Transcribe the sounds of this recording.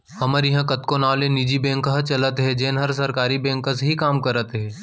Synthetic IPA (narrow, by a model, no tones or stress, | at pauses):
hɐməɾjɐɦãkɐt̪konaːlenid͡ʒibɛ̃ːŋkɦət͡ʃɐlət̪ɦɛd͡ʒeːnɦɐɾsɐɾkaːɾibɛ̃ːŋkə̃sɦikaːmkɐɾət̪ɦɛː